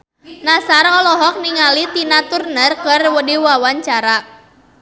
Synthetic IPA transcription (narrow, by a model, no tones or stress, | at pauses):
nasaɾɔlɔɦɔk̚niŋalit̪inat̪urnərkərwədiwawaɲt͡ʃaɾa